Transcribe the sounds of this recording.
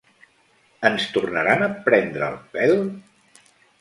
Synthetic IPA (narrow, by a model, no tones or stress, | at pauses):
ənst̪urnəɾanəpɾɛnd̪ɾəːlˠpɛl